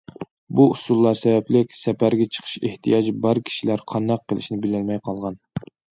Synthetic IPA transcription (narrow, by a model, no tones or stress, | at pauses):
buusulˠːɑɾsɛvɛplɪkʲsɛpæɾɡʲɛt͡ʃʰə̥qʰə̥ʃeht̪ʰijɑd͡ʒbɑɾkʲʰi̥ʃilæɾqʰɑnd̪ɑqʰːəlˠɪ̰ʃnɪbɪlɪlmɛjqʰɑlˠʁɑn